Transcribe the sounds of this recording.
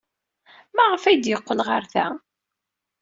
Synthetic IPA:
mæʁəfæjd̪jəqːəlʁəɾθæ

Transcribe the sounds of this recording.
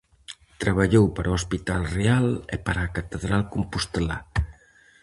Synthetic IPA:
t̪ɾaβaʎowpaɾoospit̪alrealḛpaɾaːkat̪eðɾalkompust̪ela̰

